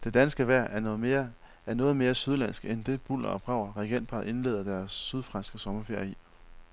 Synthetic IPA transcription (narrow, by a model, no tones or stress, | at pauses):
d̥e̝d̥ænsɡ̥əʋæɐ̰eɐ | æɐnɔ̽ːð̩ˠme̝ːɐsyð̞ˠlænsɡ̥end̥e̝b̥ul̰ɐ̰ɒ̽b̥ʁɑ̈ʊɐʁɛɡ̥end̥̚pʰɑ̈ðˠe̝nle̝ːð̞ˠɐd̥æɐsːyð̞ˠfʁɑ̈nsɡ̥əsɒ̽mɐfeɐji